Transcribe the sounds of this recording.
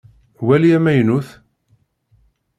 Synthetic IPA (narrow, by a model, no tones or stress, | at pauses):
wæliæmæjnuθ